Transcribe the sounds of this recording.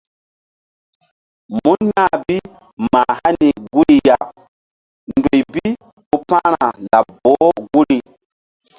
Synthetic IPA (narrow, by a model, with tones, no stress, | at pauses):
mu˦nɲã˦bi˦ | maː˨ha˦ni˨ɡu˦ɾi˨ja˨ | ŋɡo˨jbi˦ | u˦pã˦ɾa˨la˨bo˨˦ɡu˦ɾi˦